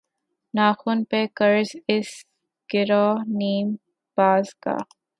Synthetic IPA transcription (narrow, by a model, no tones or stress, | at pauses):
naːxʊnpekəɾzɪs | ɡ̥ɪɾɔːniːm | b̥aːzka̰ː